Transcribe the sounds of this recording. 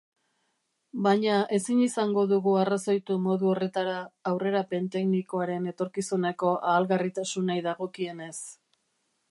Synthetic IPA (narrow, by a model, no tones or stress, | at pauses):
baɲaʔe̞sinisaŋɡo̞ðuɣuarasojt̪umo̞ðuo̞re̞t̪aɾaːwre̞ɾape̞nt̪e̞kniko̞aɾe̞ne̞t̪o̞ɾkisuneko̞ʔaːlɣarit̪asunajðaɣo̞kie̞ne̞s